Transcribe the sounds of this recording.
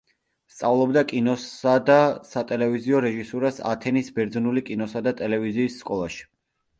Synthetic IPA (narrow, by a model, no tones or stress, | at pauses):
st̪sʼavlˠɔbd̪akʼinɔsad̪asat̪ʼɛlɛviziɔɾɛʒisɔɾasa̰t̪ʰɛnisbɛɾd̪znulikʼinɔsad̪at̪ʼɛlɛviziːsːkʼɔlˠaʃi̥